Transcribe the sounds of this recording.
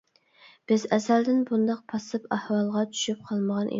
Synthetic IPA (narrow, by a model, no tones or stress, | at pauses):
b̥ɪzɛsæld̪ɪnbund̪ɑq̚pʰɑsɨpæhwɑlˠʁɑt͡ʃʰy̥ʃyp̚qʰɑlˠməʁɑnʔḭ